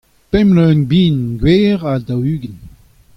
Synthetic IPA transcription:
pɛmlønbiːnɡweːʁadawyːɡən

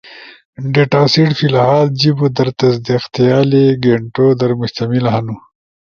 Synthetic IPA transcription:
ɖeʈaːsiʈfilahɑːld͡ʒibud̪ɐɾt̪ɐzd̪iqt̪jɑːleɡeɳʈod̪ɐɾmʊʃt̪ɐmilɦanu

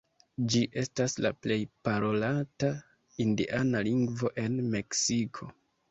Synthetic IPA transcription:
d͡ʒiʔe̞stasla̰ple̞jpaɾo̞lata | indḭʔanaliŋɡvo̞ʔe̞nme̞ksikʰo̞

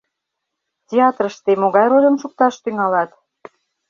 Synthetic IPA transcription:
tʲeɑt̪rəʃt̪emoɣɑjɾolʲəmʃuk̚t̪ɑʃt̪yŋɑlɑt̪

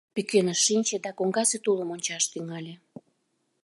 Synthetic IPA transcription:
pykenəʃinʲt͡ɕed̪ɑkoŋɡɑset̪uləmonʲt͡ɕɑʃt̪yŋɑlʲe

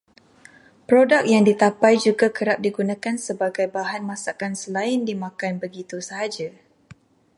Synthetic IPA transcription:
pɾodak̚jaŋdit̪apajd͡ʒuɡakəɾap̚diɡunãkansəbaɡajbaɦanmãsakansəlaɪndimãkanbəɡit̪usəɦad͡ʒa

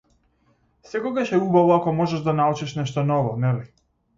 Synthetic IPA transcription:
sɛkɔɡaʃɛubavɔakɔmɔʒɛʒd̪anaɔt͡ʃɛʃnɛʃt̪ɔnɔvɔnɛvɛ

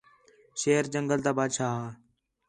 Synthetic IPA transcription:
ʃeːəɾd͡ʒəŋɡəlt̪aːbaːt͡ʃʰaː

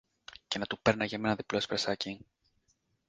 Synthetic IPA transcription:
ce̞nɐt̪upe̞ɾnɐʝɐmenɐðiplo̞spɾesɐci

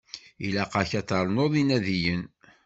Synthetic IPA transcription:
ilæqɑçæt̪ˤɑɾˤnoðˤinæðijən

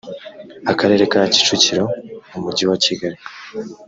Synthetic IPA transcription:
akaɾe̞ːɾe̞kaaci̥t͡ʃuciɾo̞umuɾɟiwaciɡaɾi

